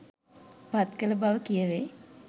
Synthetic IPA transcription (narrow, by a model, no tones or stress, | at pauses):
pat̪kələbaʋəkijəʋe